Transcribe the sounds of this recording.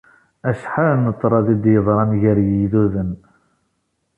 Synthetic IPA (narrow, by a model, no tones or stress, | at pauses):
æʃħaɾnət̪ˤːɾˤɑðid̪jəðˤɾˤɑnʝəɾjiðuðən